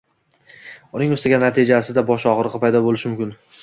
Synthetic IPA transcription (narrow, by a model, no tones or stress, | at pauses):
ʊnɪŋoɵst̪ʰɪɡʲanat̪ʰɪd͡ʒasɪd̪abɒʃɒʁɨɾɨqɨpʰajd̪ɒbolɪʃɪmʊmkʲɪn